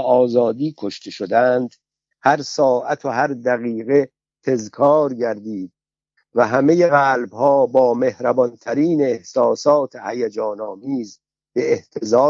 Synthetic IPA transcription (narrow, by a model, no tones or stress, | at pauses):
ɒːzɒːd̪iːkʰoʃt̪ʰe̞ʃod̪ænd̪ | hæɾsɒːʔæt̪ʰohæɾd̪æɣiːɣe̞ | t̪ʰe̞zkʰɒːɾɟæɾd̪iːd̪̚ | væɦæmejeɣæːlbhɒːbɒːme̞hɾæbɒnt̪ʰæɾiːneːhsɒːsɒːt̪ʰehæjed͡ʒɒːnɒːmiːz | be̞ːht̪ʰezɒː